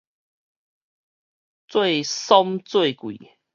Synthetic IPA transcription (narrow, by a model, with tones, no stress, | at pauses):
t͡swe˥˨sɔ˦mt͡swe˥˨ɪkwḭ˨